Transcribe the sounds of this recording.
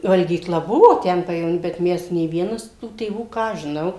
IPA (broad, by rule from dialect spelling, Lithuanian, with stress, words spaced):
ʋɐlʲɡʲiːˈklˠɐ ˈbʊʋoː ˈtʲɛn pɐjɛʋoːˈnʲiː bʲɛt ˈmʲɛs nʲeː ˈʋʲiɛnɐs tuː tʲeːˈʋuː ˈkɑː ɐʃ ʒʲɪˈnɐʊ